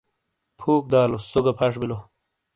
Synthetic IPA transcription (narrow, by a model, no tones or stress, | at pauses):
pʰuːk̚d̪aːlosoɡɐpʰɐʂ̬bilo